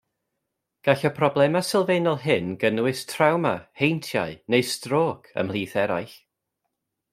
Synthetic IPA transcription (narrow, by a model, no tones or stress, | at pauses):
ɡ̥aɬɔpʰrɔblˠɛmasɪlˠveːnɔlˠɦɪnɡənwɪstʰrawma̰hejntʰja̰ɨnejstroːkʰə̰mlˠiːθɛɾa̰jɬ